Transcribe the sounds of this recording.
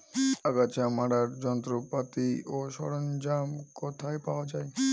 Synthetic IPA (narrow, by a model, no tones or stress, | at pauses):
aɡat͡ɕamaɽaɾd͡ʑɔnt̪ɾopat̪ioʃɔɽond͡ʑamkɔt̪ʰaepaoad͡ʑae